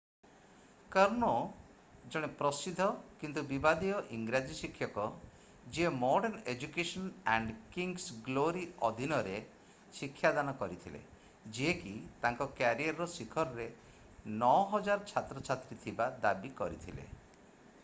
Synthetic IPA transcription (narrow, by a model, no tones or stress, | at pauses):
kəɾɳɔ | d͡ʒɔɽ̃epɾɔsid̪ʱɔkint̪ubibad̪iɔʔiŋɡɾad͡ʒisikʰːjɔkɔ | d͡ʒiemɔɾɖeɾned͡ʒukesɔnaɳɖkiŋɡsɡloɾiɔd̪ʱinɔɾe | sikʰːjad̪anɔkɔɾit̪ʰilḛ | d͡ʒekit̪aŋkɔkjaɾiaɾːɔsikʰɔɾɔɾe | nɔɦɔd͡ʒaɾt͡ʃʰat̪ɾɔt͡ʃʰat̪ɾit̪ʰibad̪abikɔɾit̪ʰilḛ